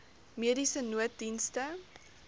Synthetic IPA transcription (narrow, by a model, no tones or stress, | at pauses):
miəɾisənuət̚dinstə